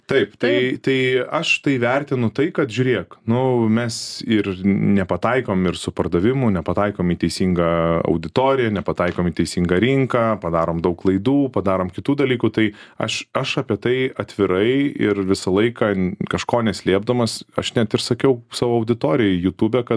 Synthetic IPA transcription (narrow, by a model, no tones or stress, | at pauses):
t̪ɐɪpt̪ɐɪt̪ɐɪɐʃt̪ɐɪʋʲɛrʲt̪ʲɪnʊt̪ɐɪkɐt̪ʒʲʊːɾʲeɛknʊmʲɛsɪrnʲɛpɐt̪ɐɪkoːmɪrsʊpɐrd̪ɐʋʲɪmʊnʲɛpɐt̪ɑɪkoːmiːt̪ʲɛɪsʲiŋɡɐɐ̰ʊd̪ʲɪt̪oːɾʲɪjɛnʲɛpɐt̪ɑɪkoːmiːt̪ʲɛɪsʲiːŋɡɐɾʲɪŋkɐːpɐd̪ɑːɾoːmd̪ɐʊklˠɐɪd̪uːpɐd̪ɑːɾoːmkʲɪt̪uːd̪ɐlʲiːkuːt̪ɐɪɐ̰ʃɐʃɑːpʲiɛt̪ɐɪɐt̪ʲʋʲɪɾɐɪɪɾʋʲɪsɐlˠɐɪkɑːkɐʃkoːnʲɛsʲlʲiɛb̚d̪ɐmɐsɐ̰ʃnʲæt̪ɪrsɐkʲɛʊsɑːʋoːɐʊd̪ʲɪt̪oːɾʲɪjɛɪjut̪uːbʲɛkɐt̪